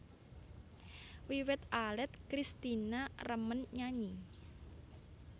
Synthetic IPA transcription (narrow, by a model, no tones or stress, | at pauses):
wiwɪt̪ʔalɛt̪̚kɾist̪inarəmənɲaɲi